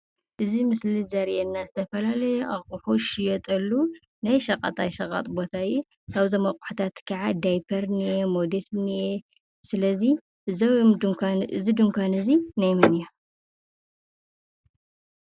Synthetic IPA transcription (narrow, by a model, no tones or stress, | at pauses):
ʔɨzimɨslizɐɾʔɛnːazɨt̪ʰɐfɐlalɐjʔauħoʃijot̪ʼɐlːu | najʃɐkʼɐ̰t̪ʼajʃɐkʼɐ̰t̪ʼbo̞t̪ʰaju | kaβzɐmɐkʼu̥ħut̪ʰat̪kʰaʕad̪ajpʰɐɾnijemod̪esnije | sɨlɐzi | zɐw | ɨzid̪ɨŋkʷanɨzinajmɨnija